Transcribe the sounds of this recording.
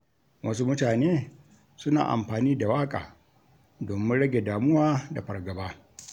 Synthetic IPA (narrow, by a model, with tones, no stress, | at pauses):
wʔɐ˦su˦mʊ˦taː˨neː˦ | sʊ˦na̰ː˨ʔa̰˨mɸaː˨niː˦da˨waː˦kʼa̰ː˨ | doː˨mɪ˦ɽɐ˦ɡʲe˨daː˨mʊ˦waː˦da˨ɸɐ˨rɡɐ˨baː˦